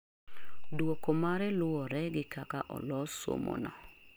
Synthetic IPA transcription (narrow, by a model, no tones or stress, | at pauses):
dwokomaɾɛlʊɔɾɛɡɪkʰakaʔɔ̰lɔso̰mo̰nɔ̰